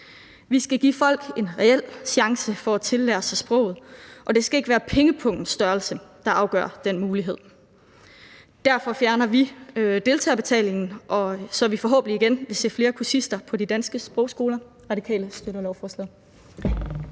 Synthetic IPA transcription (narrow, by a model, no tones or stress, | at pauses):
ʋisɡ̥æɡ̥ḭːfɒ̽l̰ɡ̥e̝nʁɛel̰ɕɑ̈ŋsəfɒ̽æt͡sʰe̝lːæ̰ːɐsɑsb̥ʁɔ̽ʊ̰ð̞̩ˠʔɒ̽d̥e̝sɡ̥æe̝ɡ̥ʋæːɐpʰeŋəpʰɔ̽ŋ̰d̥n̩sd̥ɶɐlsəd̥ɑ̈ʔɑ̈ʊɡ̥ɶ̰ɐ̰d̥enmuːliɦe̝ð̞̰ˠ | d̥æɐfɒ̽fjæɐnɐʋid̥e̝lt͡sʰɛ̰ːb̥e̝t͡sʰɛ̰ːle̝ŋn̩ʔɒ̽sɒ̽ʋifɒ̽ɦɔ̽ːb̥ən̩iɡ̥enʋe̝se̝̰ːfle̝ːɐkʰuɐsisd̥ɐpʰɒ̽did̥ænsɡ̥əsb̥ʁɔ̽ʊsɡ̥o̝ːlɐ | ʁɑ̈d̥ikʰɛ̰ːləsd̥øɾɐlɒʊfɒːslɛð̩ˠ